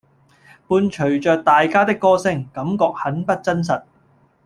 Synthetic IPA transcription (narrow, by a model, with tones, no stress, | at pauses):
puː˧nt͡ʃʰɵ˨˩ɥt͡ʃœː˨k̚t̪aː˨jkaː˥t̪ɪ˥kːɔː˥sɪ˥ŋkɐ˨˥mkɔː˧k̚hɐ˨˥npɐ˥t̚t͡sɐ˥ns̬ɐ˨t̚